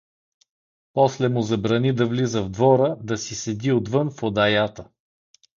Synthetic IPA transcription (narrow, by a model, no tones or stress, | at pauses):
pɔslɛmʊzɐbɾɐnid̪ɐvlizəvd̪vɔɾəd̪ɐsisɛd̪iod̪vɤnfod̪ajat̪ə